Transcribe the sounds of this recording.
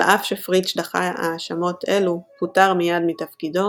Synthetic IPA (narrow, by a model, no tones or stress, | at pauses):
ʔafʃefʁitʃdaχaa̰ʃamo̞telukutaʁmijadmitafkido̞